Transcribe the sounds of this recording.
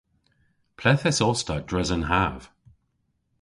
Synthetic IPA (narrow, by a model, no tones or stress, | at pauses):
pʰlɛθɛsɔstədɹɛzənɦav̥